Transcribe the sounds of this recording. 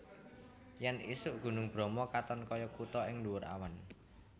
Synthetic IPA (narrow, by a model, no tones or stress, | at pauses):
jɛnisʊʔɡ̥ṳnʊŋb̥ɾɔ̤mɔkat̪ɔnkɔjɔkut̪ɔɪŋluwʊɾa̰wan